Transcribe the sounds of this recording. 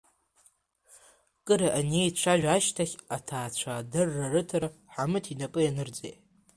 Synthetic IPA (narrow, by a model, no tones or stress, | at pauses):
kʼɨɾaʔanejt͡ʃʷʰaʒᶣaʃtʰaχʲatʰaːt͡ɕʷʰadɨrːarɨtʰaɾaħamɨtʰinapʼɨjanɨrd͡zḛjʼ